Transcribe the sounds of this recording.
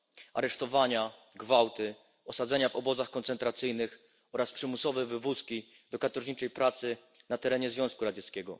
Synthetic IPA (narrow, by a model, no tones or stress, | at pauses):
ʔa̰ɾɛʂt̪ɔvaɲa | ɡvawt̪ɘ | ɔsad̪zɛɲavɔbɔzaxkɔnt̪sɛnt̪ɾat̪sɘjnɘx | ɔɾaspʂɘmusɔvɛvɘvuskʲi | d̪̥ɔkat̪ɔʐɲit͡ʂɛjpɾat̪sɘ | nat̪ɛɾɛɲɛzvʲɔ̃skuɾad͡ʑɛt̪skʲɛɡɔ